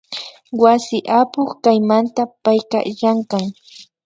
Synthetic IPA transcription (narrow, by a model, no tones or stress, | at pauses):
wasɪʔapʊχkajmant̪apajka̰jaɴkaŋ